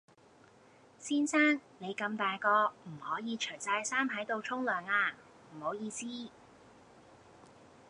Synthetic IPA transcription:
siː˥nsaː˥ŋne˨˧jkɐ˧mt̪aː˨jkɔː˧m̩˨˩hɔː˨˥jiː˨˧t͡ʃʰɵ˨˩jt͡sɐ˧jsaː˥mɦɐ˨˥jt̪o˨˧wt͡sʰʊ˥ŋlœː˨˩ŋaː˧ | m̩˨˩ho˨˥wjiː˧siː˥

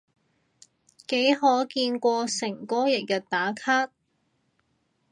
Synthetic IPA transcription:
ke˨˥jɦɔː˨˥kiː˧nkʷɔː˧sɪ˨˩ŋkɔː˥jɪ˨k̚jɐ˨t̚t̪aː˨˥kʰaː˥t̚

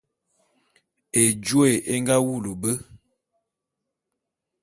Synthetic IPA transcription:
e˨d͡ʒu˦e˨ʔe˦ŋɡa˦wu˦˨lu˨bə˦

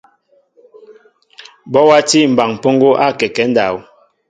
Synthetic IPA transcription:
bɔ˦wa˦ti˦˨m̩˨ba˨ŋ˨po˦ŋɡo˦ʔa˦˨kɛ˨kɛ˨˦n̩˦da˨w

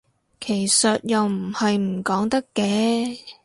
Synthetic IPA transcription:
kʰe˨˩jsɐ˨t̚jɐ˨wm̩˨˩hɐ˨jm̩˨˩kɔː˨˥ŋt̪ɐ˥kːɛː˨˥

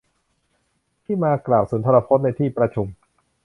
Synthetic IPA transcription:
t̪ʰiː˥˩maː˧klaː˨˩wsuː˩˦nt̪ʰa˧ɾa˧pʰo˦˥t̪̚na˧jt̪ʰiː˥˩pɾa˧t͡ɕʰu˧m

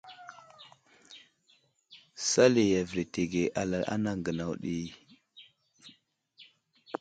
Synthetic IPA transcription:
sa˦le˨ja˨vɾe˨te˨ɡe˨ʔa˨la˨ʔa̰˦na˦ŋɡə˨na˨wɗi˦

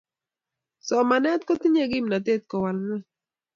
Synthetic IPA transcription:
so˨mane˦t̪kot̪i˦ɲeɡimnat̪̬e˦t̪̚ko˨wanna˦

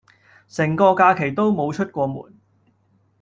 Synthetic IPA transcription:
sɛ˨˩ŋkɔː˧kaː˧kʰe˨˩jt̪o˥wmo˨˧wt͡ʃʰɵ˥t̚kʷɔː˧mṵː˨˩n

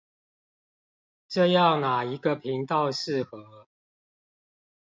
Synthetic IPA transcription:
ʈ͡ʂɤ˥˧jɑ˥˨ʊna˨˩i˧˥ɡə˧pʰi˨˦ŋt̪ɑ˥˧ʊʂɻ̩˥˨xə˨˦

